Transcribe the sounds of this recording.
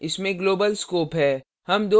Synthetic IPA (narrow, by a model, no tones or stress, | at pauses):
ɪsmẽɡloːbəlskoːpɦɛː | hɐmd̪o